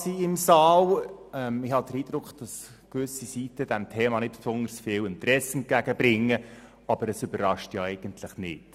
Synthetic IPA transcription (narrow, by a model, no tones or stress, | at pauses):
siɪmsɑːlɛmɪhɑd̥̪əɾiːd̥̪ɾʊkd̥ɑs | kʋʏsisiːtəd̥ɛmtʰɛːmɑnɪt̚psʊndəɾsfɪːwɪntɾɛsɛnt̚ɡ̥æɡ̥əbɾɪŋːə | ɑb̥əɾəsʏbərɑʃtjɑɛɪɡ̥ənt̪ʰləχnɪt